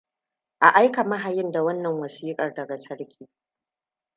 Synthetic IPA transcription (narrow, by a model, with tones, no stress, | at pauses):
ʔa˨ʔa˦jka˨mɐ˦ɦa˨jɪ˦nda˨wɐ˦nːɐ˨ŋwɐ˨siː˦kʼɐ˨rdɐ˨ɡa˨sɐ˦ɽkʲʰiː˦